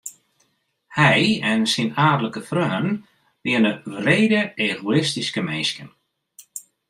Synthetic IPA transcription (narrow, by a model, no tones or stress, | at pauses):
hɛjɛnsinaːdələkəfrœːən | ʋɪənəʋreːdəeːɣoɪstiskəmenskən